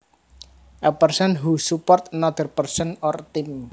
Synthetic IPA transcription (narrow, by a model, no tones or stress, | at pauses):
ʔəpərsənɦusupɔrt̪̚nɔd̪̥ərpərsənɔrt̪ɪm